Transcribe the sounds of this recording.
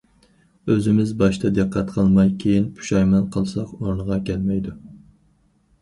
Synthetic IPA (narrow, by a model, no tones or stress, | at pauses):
øzɪmɪzbɑʃt̪ʰɑd̪ɨqʰːɑt̪qʰəlˠmɑjkʲʰejinpʰu̥ʃɑjmɑnqʰəlˠsɑqoɾnəʁɑkʲʰɛlmɛjd̪u